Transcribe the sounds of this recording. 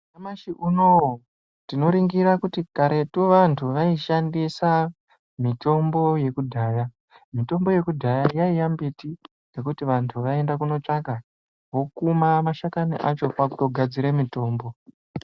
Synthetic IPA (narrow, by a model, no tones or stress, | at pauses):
amaʃiʔunowo | tino̞ɾiŋɡiɾakutikaɾe̞tuʋantʰuʋaiʃandisa | mito̞mbo̞je̞kudʱaːja | mito̞mbo̞je̞kudʱajajaijambiti | ŋɡe̞kutiʋantʰuʋae̞ndakuno̞t͡ʂaka | ɦo̞kumamaʃakanḭʔat͡ʃo̞pakutoɡʱad͡ziɾemito̞ːmbo̞